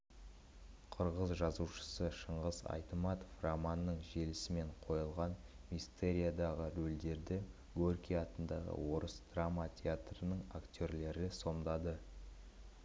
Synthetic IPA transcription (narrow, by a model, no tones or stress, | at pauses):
qʰʊɾʁəzʒɑzuʃə̥səʃəɴʁəzɑ̰jt̪əmɑt̪oframanːəɴʒe̞lɪsɪme̞ɴqʰo̞jəlˠʁɑn | mist̪e̞ɾʲijad̪ɑʁəɾɵld̪e̞ɾd̪ɪ | ɡorkʲiɑt̪ənd̪ɑʁə̰wo̞ɾəsd̪̥ramat̪ʲʰeat̪rənəɴakt̪ʲøɾle̞ɾɪso̞md̪ɑd̪ə